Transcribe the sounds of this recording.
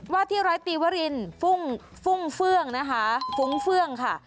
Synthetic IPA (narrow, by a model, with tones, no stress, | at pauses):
waː˥˩t̪ʰiː˥˩ɾaː˦˥jt̪iː˧waː˧˥ɾi˧nfu˥˩ŋ | fu˥˩ŋfɯ˥˩əŋna˦˥kʰa˦˥fu˨˦˥ŋfɯ˥˩əŋkʰa˥˩